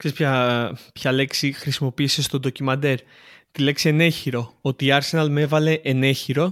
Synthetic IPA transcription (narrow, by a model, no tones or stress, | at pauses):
kse̞spçɐpçɐle̞ksixɾisimo̞piːse̞st̪o̞d̪o̞cimɐnd̪e̞ɾ | t̪ile̞ksiene̞çiɾo̞ot̪iːɐɾse̞nɐlme̞vɐle̞ʔene̞çiɾo̞